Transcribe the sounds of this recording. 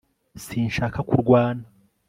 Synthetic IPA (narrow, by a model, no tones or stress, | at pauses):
siːnʃakakuɾɡwaːna